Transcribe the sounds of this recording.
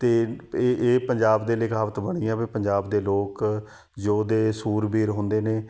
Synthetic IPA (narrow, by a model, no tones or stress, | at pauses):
t̪eːʔeːpəɲd͡ʒaːbd̪eːlɪkʰaːʋət̪bəɽ̃iːɛ̃ːbiːpəɲd͡ʒaːbd̪eːloːk | d͡ʒoːd̪eːsuːɾbiːɾɦʊ̃nd̪eːneː